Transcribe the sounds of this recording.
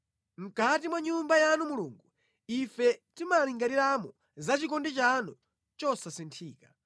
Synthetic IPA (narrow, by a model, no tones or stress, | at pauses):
m̩katimwaɲumbajanumuluːŋɡu | ifɛtimaliŋɡaɾiɾamɔ | zat͡ʃikɔndɛt͡ʃanɔ | t͡ʃɔsasintʰiːkḁ